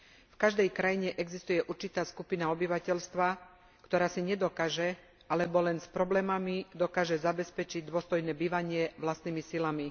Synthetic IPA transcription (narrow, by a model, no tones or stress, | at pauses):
fkaʒd̪ɛjkɾajiɲɛʔɛɡzist̪ujɛʔuɾt͡ʃit̪aːskupinaɔbiʋacɛʎst̪ʋa | kt̪ɔɾaːsiɲɛd̪ɔkaːʒɛ | alɛbɔlɛnspɾɔblɛːmamid̪ɔkaːʒɛzabɛspɛt͡ʃiɟd̪ʊɔst̪ɔjnɛːbiːʋaɲɪɛʋlast̪niːmisilami